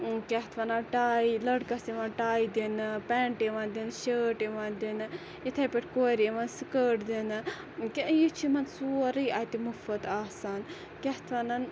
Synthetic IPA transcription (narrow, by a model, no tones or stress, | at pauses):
kʲɛht̪ʰʋɐnaʈaːilɐɽkɐsiʋɐnʈaːid̪inpɛːɳʈiʋɐnd̪inʃəːʈiʋɐnd̪in | jit̪ʰɐpeʈʰkoːɾiʋɐnsikəːʈd̪in | keʔjit͡ʃʰimɐnsuːɾɨjʔat̪imufɐt̪aːsaːn | kʲeht̪ʰʋɐnɐn